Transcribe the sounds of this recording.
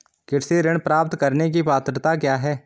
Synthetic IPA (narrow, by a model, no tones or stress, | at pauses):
kɪʈseɾɪɽ̃pɾaːp̚t̪kəɾnek̬ipaːt̪ɾt̪akjaːɦɛː